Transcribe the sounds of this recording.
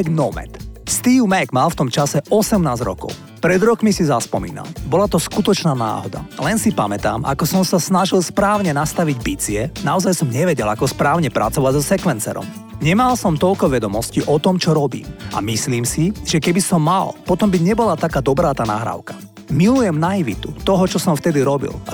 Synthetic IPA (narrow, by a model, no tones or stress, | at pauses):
nɔmɛ̰t̪st̪iːʊmɛɡmalft̪ɔmt͡ʃasɛʔɔsɛmnaːzɾɔ̰kɔ̰ʊ | pɾɛd̪ɾɔkmisizaspɔmḭːna̰mbɔlat̪ɔskut̪ɔt͡ʃnaːna̰ːɦɔ̰d̪a̰lɛnsipamɛt̪a̰ːmʔa̰kɔsɔmsasnaʒilspɾaːʊɲɛnast̪aʋiɟbit͡siɛnaɔzajsɔmɲɛʋɛɟɛlakɔspɾaːʊɲɛpɾa̰t͡sɔʋaɟzɔsɛkʋɛnt͡sɛ̰ːɾɔ̰m | ɲɛmalsɔmt̪ɔʎkɔʋɛd̪ɔmɔsciʔɔt̪ɔmt͡ʃɔɾɔbḭːmʔa̰misliːmsiʒɛkɛbisɔmːalpɔt̪ɔmbiɲɛbɔlat̪akaːd̪ɔbɾaːt̪aːna̰ɦɾa̰ːʊkḁ | milujɛmnaiʋḭt̪ut̪ɔɦɔt͡ʃɔsɔmft̪ɛd̪iɾɔbḭl